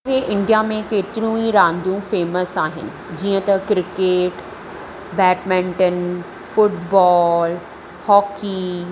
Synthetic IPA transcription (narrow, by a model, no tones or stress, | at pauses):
eʔɪ̃ɳɖijamẽkeːt̪ɪɾũiɾãːnd̪ũfeːməsaːɦɪ̰nɪ̆ | d͡ʑiːə̃t̪ɐkɾɪkeːʈ | bɛːʈmɛ̃ːɳʈən | fʊʈbɔːl | hɔːki